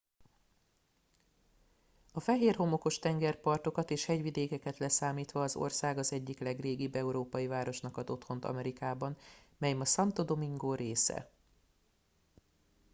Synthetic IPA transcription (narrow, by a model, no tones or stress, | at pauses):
ɒfɛɦeːrɦo̞mo̞ko̞ʃt̪ɛŋɡɛrpɒrt̪o̞kɒt̪eːʃhɛɟʋid̪eːkɛkɛt̪lɛsaːmiːt̪ʋɒːzo̞̰rsaːɡɒzɛɟːiklɛɡreːɡibːɛuɾoːpɒjivaːɾo̞ʃnɒkɒd̪o̞t̪ho̞nt̪ɒ̰mɛɾikaːbɒnmɛjɛmɒsɒnt̪o̞d̪o̞miŋɡoːɾeːsɛ̰